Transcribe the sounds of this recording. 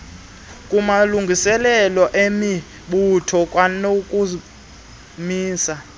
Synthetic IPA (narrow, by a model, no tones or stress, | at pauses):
kʼumaluŋɡʱisɛlɛlɔʔemi | ɓutʰɔkʼwanokʼu | miːsa